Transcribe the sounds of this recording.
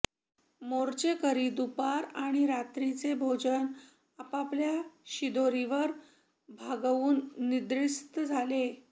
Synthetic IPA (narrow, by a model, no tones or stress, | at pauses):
moɾt͡ɕekəɾiːd̪upaɾaɽ̃iɾat̪ɾit͡sebʱod͡ʑən | apapljaɕid̪oɾiʋəɾ | bʱaɡuːnːid̪ɾist̪əd͡zʱale